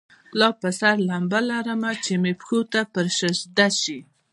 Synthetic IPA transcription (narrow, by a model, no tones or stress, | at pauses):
lɑpəsaɾlambalaɾəmat͡ʃemepxot̪apəɾʃəʃd̪aʃi